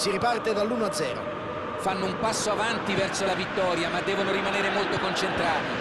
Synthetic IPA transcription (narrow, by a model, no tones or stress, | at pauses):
siɾipart̪ed̪alːuːnoad̪zɛːɾo̰ | fanːoumpasːoavant̪ivɛrsolavit̪ːɔːɾjamad̪ːɛːvonoɾimaneːɾemolt̪okont͡ʃent̪ɾaːt̪e